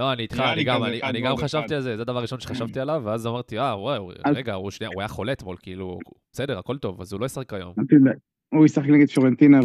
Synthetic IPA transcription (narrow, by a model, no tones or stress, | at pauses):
lo̞aniit̪χaaniɡamanianiɡamχaʃavt̪ialzezed̪avaʁːiʃo̞nʃe̞χaʃavt̪ialaveazamaʁt̪iawaʁeɡauʃnia̰uajaχo̞let̪molkiilu | b̥esede̞ʁako̞lt̪o̞va̰zulo̞jisaχekajo̞̰mi | uisaχekneɡed̪foʁent̪ina